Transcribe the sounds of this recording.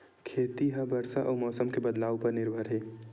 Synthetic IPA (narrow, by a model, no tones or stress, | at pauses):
kʰeːt̪iɦɐbɐɾsaʔɔːmɔːsəmkebɐd̪laːʋpɐɾnɪɾbʱəɾɦeː